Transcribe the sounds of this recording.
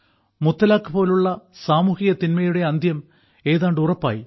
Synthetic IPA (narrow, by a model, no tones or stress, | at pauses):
mut̪ːɐlaːkːɨpo̞ːluɭːɐsaːmuːhijɐt̪inmɐjuɽe̞ɐnd̪ʱjɐm | e̞ːðaːɳɖɨurɐpːa̰ːji